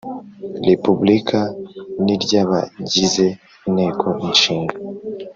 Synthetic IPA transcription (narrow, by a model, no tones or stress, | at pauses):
ɾepublikʰaniɾɟaβa̰ɟize | ine̞kʰo̞inʃiːŋɡa